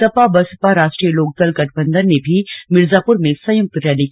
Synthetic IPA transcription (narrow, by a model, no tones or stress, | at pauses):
t̪ɐpabɐspaɾaːʃʈɾijeloːk̚d̪ɐlɡɐʈʰbə̃nd̪əɾnebʱimɪɾzaːpʊɾmẽsɐjʊk̚t̪ɾɛːli